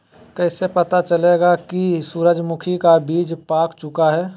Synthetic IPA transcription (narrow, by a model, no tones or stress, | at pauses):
kɛɪsepɐt̪at͡ʃɐleːɡakisuːɾəd͡ʒmʊkʰikabiːd͡ʒpaːkt͡ʃʊkaɦɛː